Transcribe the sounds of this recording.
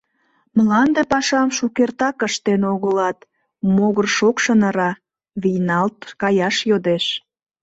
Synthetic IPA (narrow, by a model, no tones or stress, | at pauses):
məlɑnd̪epɑʃɑmʃukert̪ɑkəʃt̪enoɣəlɑt̪ | moɣərʃokʃənəɾɑ | βijnɑlt̪̚kɑjɑʃjod̪eʃ